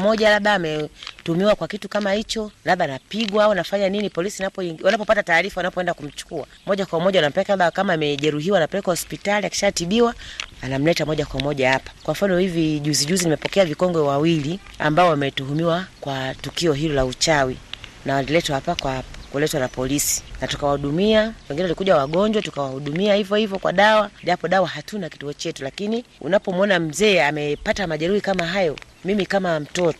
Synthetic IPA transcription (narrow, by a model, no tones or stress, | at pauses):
mɔʄalaɓaːmɛtumiwakwakitukamahit͡ʃɔlaɓaːnapiɡwaaɔnafaɲaninipɔlisinapɔiwanapɔpatataːɾifawanapɔɛndakum̩t͡ʃu̥kua̰ | mɔʄakwamɔʄawanam̩pɛɛkaaɓakamaːmɛʄɛɾuɦiwanapɛlɛkwahɔspitaliaki̥ʃatiɓiwaanam̩lɛtamɔʄakwamɔʄahapḁkwam̩fanɔhiviʄuziʄuzinimɛpɔkɛavikɔŋɡɛwawilia̰mbaɔwamɛtuɦumiwakwatukiɔɦilɔlaut͡ʃawinawalilɛtwahapakwakulɛtwanapɔlisi̥natu̥kawahuɗumiawɛŋɡinɛwalikuʄawaɠɔɲd͡ʒwatukawahuɗumiahivjɔhivɔkwa̰ɗawaʄapɔɗawaɦatunaki̥tuɔt͡ʃɛtulakiniṵnapɔmɔnam̩zɛːamɛpatamaʄɛɾuhikamaɦajɔ | mimikamam̩tɔtɔ